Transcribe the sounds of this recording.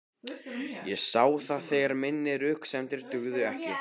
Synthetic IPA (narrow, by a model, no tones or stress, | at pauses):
jɛsaːwθaðθejɣaɾmɪnːɪɾʏhksɛmt̪ɪɾ̥t̪ʏɣðʏɛhcɪ